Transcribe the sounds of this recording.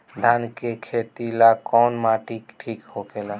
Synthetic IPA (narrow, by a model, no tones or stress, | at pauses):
d̪ʱankekʰet̪ilakɔnmaʈikʈʰikhokela